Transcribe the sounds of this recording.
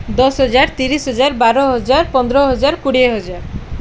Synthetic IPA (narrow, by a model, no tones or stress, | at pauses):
d̪ɔsɦɔd͡ʒaɾt̪iɾisɦɔd͡ʒaɾbaɾɔɦɔd͡ʒaɾpɔnd̪ɾɔɦɔd͡ʒaɾkuɽieɦɔd͡ʒaɾ